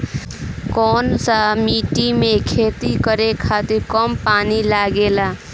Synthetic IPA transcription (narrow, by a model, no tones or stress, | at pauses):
kɔːnsamiʈimekʰet̪ikəɾekʰat̪iɾkəmpaːnilaɡela